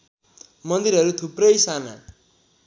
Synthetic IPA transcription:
mʌnd̪iɾɦʌɾut̪ʰuprʌjsana̰

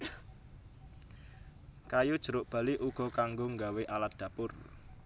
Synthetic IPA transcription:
kajud̥ʒ̥ə̤ɾʊʔb̥ä̤liʔuɡ̥ɔ̤kaŋɡoŋɡaweʔalat̪̚d̪̥a̤pʊr

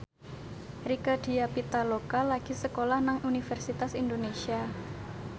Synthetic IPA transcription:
rikad̥iapit̪alokalaɡ̥isəkolahnaŋʔunifɛrsit̪asind̪onesia

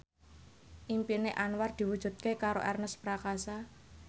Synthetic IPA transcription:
ʔimpineʔanward̪̥i̤wud̥ʒ̥ṳt̪̚kekaɾoʔɛrnəspɾakasa

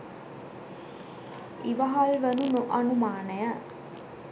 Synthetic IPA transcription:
iʋaɦalʋənunoʔɐnumaːnəjə

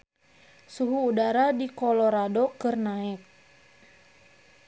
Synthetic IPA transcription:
suɦuːdaɾadikɔlɔɾadokɨrnaɛk̚

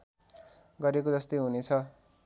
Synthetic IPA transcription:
ɡʌɾekod͡zʌst̪ʌjɦunet͡sʰʌ

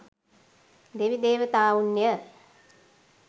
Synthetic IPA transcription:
d̪eʋid̪eːʋət̪aːunːjə

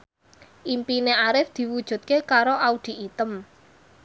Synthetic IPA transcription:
ʔimpineaɾɪfd̪̥i̤wud̥ʒ̥ṳt̪̚kekaɾoʔaud̪̥i̤ʔit̪əm

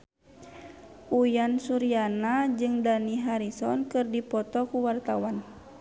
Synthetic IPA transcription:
ʔujansuɾianad͡ʒɨŋdaniɦaɾisɔnkɨrdipɔt̪ɔkuwart̪awan

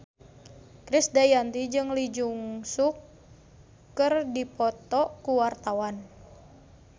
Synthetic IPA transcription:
kɾisdajant̪id͡ʒɨŋlid͡ʒuŋsukː | ɨrdipɔt̪ɔkuwart̪awan

